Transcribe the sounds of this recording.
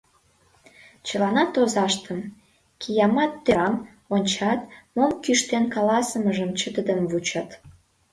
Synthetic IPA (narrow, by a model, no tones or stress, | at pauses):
t͡ɕəlɑnɑt̪ozɑʃt̪əm | kijɑmɑt̪ːøɾɑm | onʲt͡ɕɑt̪̚momkyʃt̪enkɑlɑsəməʒəmt͡ɕət̪əd̪əmvut͡ɕɑt̪